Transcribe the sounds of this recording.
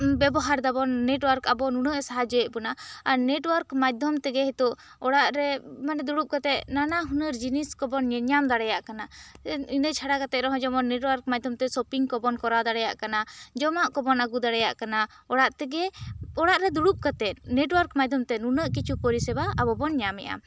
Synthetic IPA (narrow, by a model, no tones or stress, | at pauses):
bɛbɔɦaɾd̪abɔnːeʈwaɾkabɔnunəʔsaɦad͡ʒɔjɛʔ̚bɔnaaɾneʈwɔɾkmad̪ʱɔmt̪ɛɡɛhɛt̪uʔ | ɔɽaʔɾɛmanɛd̪uɽup̚kat̪ɛt̪̚nanaɦunəɾd͡ʒiniskɔbɔnɲɛɲamd̪aɽɛjaʔkanainət͡ʃʰaɽakat̪ɛt̪̚ɾɔɦɔ̃d͡ʒɔmɔnːeʈwaɾk̚mad̪ʱɔmt̪ɛsɔpiŋkɔbɔnkɔɾad̪aɽɛja̰ʔkanad͡ʒɔmaʔkɔbɔnaɡud̪aɽɛjaʔkana | ɔɽaʔt̪ɛɡɛɔɽaʔɾɛd̪uɽup̚kat̪ɛt̪̚neʈwaɾkmad̪ʱɔmt̪ɛnunəʔkit͡ʃʰupɔɾisɛbaabɔbɔnɲamɛ̰ʔa̰